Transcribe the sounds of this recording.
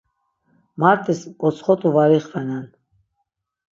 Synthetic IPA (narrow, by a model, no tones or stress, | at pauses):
maɾt̪ʰʼiskʼɔt͡sʰχɔt̪ʰʼuvaɾiχvɛnɛn